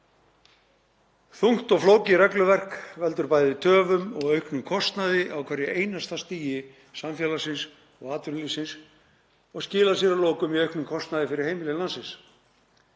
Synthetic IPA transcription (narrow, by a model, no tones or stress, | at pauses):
θuŋ̥t̪ɔɣfloːwcɪɾɛklʏvɛr̥kvɛlt̪ʏɾpaːjðɪt̪ʰœːvʏmɔɣœɥhknʏmkʰɔst̪naðɪʔawkʰvɛɾjɛʔeːjnast̪ast̪iːjɪ | samfjɛːlasɪns | ɔɣaːt̪ʏɾnlisɪns | ɔɣscɪːlasɛɾaloːwkʏmiœɥhknʏmkʰɔst̪naðɪfɪɾɪɾ̥hejmɪlɪlansɪns